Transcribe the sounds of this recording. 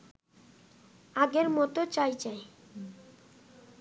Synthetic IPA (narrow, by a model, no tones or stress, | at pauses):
aɡeɾmɔt̪ot͡ɕajd͡ʑae